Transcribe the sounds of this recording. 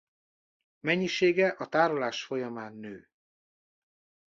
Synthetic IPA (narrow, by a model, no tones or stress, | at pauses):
mɛɲːiʃeːɡɛʔɒt̪aːɾolaːʃfo̞jɒmaːnːøː